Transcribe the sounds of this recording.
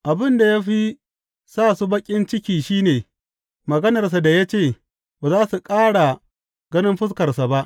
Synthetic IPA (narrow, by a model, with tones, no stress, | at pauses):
ʔa˨bɪ˦nda˨ja˦ɸi˦ | saː˦˨su˦bɐ˦kʲʼɪ˦nt͡ʃɪ˦kʲiː˨ʃiː˦neː˨ | mɐ˨ɡɐ˦nɐ˨rs̬a˨da˨ja˦t͡ʃeː˦˨ | baː˨zaː˦su˨kʼaː˦ɽa˨ | ɡɐ˦nɪ˦mɸɪ˦s̬kɐ˨rsa˨ba˦ʔ